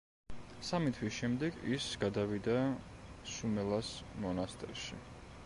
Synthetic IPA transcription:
samit̪ʰwisʃɛmd̪ɛɡisɡ̥ad̪avid̪a | sumɛlˠasmɔnast̪ʼɛɾʃi

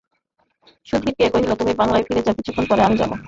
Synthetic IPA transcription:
ʃud̪ʱiɾkeekoet͡ɕʰilot̪umibaŋlaefʰiɾed͡ʑakit͡ɕʰukʰːonpɔɾeamid͡ʑa̰bo̰

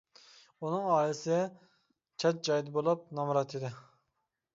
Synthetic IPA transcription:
unɨŋɑːlɪsɪ | t͡ʃʰɑt̪̚d͡ʒɑjd̪bolˠɑp̚nɑmɾɑt̪ʰid̪ɪ

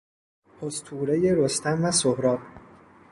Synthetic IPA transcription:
pʰost̪ʰuːɾejeɾost̪æmvæsohɾɒːt̪

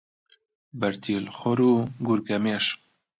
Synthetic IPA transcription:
bɐɾt̪ʰiːlxɔɾuːɡuɾɡɐmeːʃ

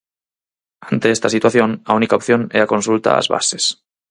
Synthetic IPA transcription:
ant̪eest̪asit̪waθjõ̞naunikaopθjo̞neɾako̞nsult̪a̰a̰zβa̰se̞s

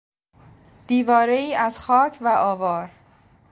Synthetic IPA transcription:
d̪̥iːvɒːɾe̞iːʔæzxɒːcʰvæʔɒːvɒːɾ

